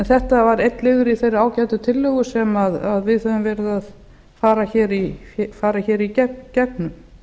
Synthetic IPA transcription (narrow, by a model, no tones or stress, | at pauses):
ɛnθɛht̪avaɾejt̪lɪɣʏɾiθejɾaːwcajt̪ʏt̪ʰɪlːœɣʏsɛmaðaðvɪðhɛvʏmvɛɾɪðað | faːɾaçɛːɾifaːɾaçɛːɾicɛcɛk̚nʏm